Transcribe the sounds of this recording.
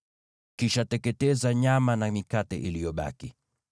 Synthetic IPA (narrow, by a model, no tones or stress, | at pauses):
kiʃatɛkɛtɛzaɲamanamikatɛ̰ʔilijɔɓa̰ki